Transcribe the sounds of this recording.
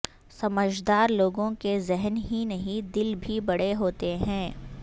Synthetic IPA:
sɐməd͡ʒd̪aːɾloːɡõkezɛɦnɦinɐɦĩd̪ɪlbʱibɐɽeɦoːt̪eɦɛ̃ː

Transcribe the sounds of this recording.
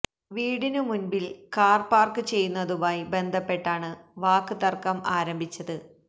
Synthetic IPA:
ʋiːɽinɨmunbilkaːrpaːrkɨt͡ɕe̞jːunːɐðumaːjbe̞nd̪ʱɐpːe̞ʈːaːɳɨʋaːkːɨt̪ɐrkɐmaːɾɐmbʱit͡ɕːɐðɨ

